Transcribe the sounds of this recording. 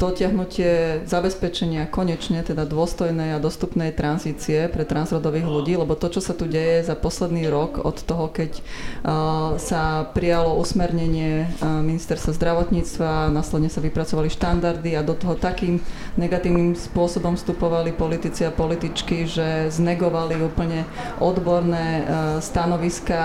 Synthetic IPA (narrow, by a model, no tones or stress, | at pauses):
d̪̥ɔcɪaɦnucɪɛzabɛspɛt͡ʃɛɲɪakɔɲɛt͡ʃɲɛt̪ɛd̪ad̪ʊɔst̪ɔjnɛjad̪ɔst̪upnɛjt̪ɾanziːt͡siɛpɾɛt̪ɾanzɾɔd̪ɔʋiːɣluɟiːlɛbɔt̪ɔt͡ʃɔsat̪uɟɛjɛzapɔslɛd̪niːɾɔkɔ̰t̪ːɔɦɔkɛc | sapɾijalɔʔusmɛɾɲɛɲɪɛminist̪ɛɾst̪ʋazd̪ɾaʋɔt̪ɲiːt͡st̪ʋanaːslɛd̪ɲɛsaʋipɾat͡sɔʋaliʃt̪and̪aɾd̪iad̪ɔt̪ɔɦɔt̪akiːm | nɛɡat̪iːʊnimspʊɔsɔbɔmfst̪upɔʋalipɔlit̪it͡siapɔlit̪it͡ʃkiʒɛznɛɡɔʋaliuːpl̩ɲɛ | ʔɔd̪bɔɾnɛːst̪anɔʋiska